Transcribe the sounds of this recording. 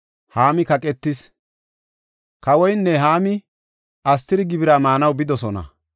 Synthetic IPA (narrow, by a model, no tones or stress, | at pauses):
haːmɪkɐkʼɛt̪ːɪs | kɐwɔjnːɛɦaːmɪ | ɐs̬t̪ːɪɾɪɡɪbɪɾaːmaːnɐwbɪd̪ɔsɔnɐ̰